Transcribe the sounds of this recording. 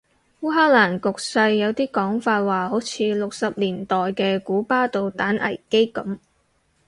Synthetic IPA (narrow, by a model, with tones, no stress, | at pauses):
wuː˥ɦaː˥k̚laː˨˩nkʊ˨k̚sɐ˧jːɐ˨˧wt̪iː˥kɔː˨˥ŋfaː˧t̚waː˨ho˨˥wt͡sʰiː˨˧lʊ˨k̚sɐ˨p̚liː˨˩nt̪ɔː˨jkɛː˧kuː˨˥paː˥t̪o˨wt̪aː˨˥nʔɐ̰˨˩jke˥kɐ˨˥m